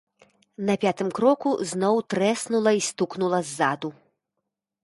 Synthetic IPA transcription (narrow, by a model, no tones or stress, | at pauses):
nɐpʲat̪ɨmkɾɔkuznɔwt̪ɾɛsnulˠɐist̪uknulˠɐzːad̪u